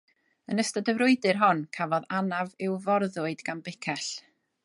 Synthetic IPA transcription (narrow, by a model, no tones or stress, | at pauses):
ənəstədəvɾʊɨdɨrɦɔnkʰavɔðanavɪwvɔrðʊɨdɡanbɪkʰɛɬ